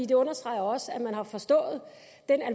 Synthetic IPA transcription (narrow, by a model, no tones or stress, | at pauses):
ḭːd̥e̝ɔ̽nɐsd̥ʁɑ̈ɪɐɒ̽səæmænɦɑ̈fɒ̽sd̥ɔ̰̽ːð̞̩ˠ | d̥enæl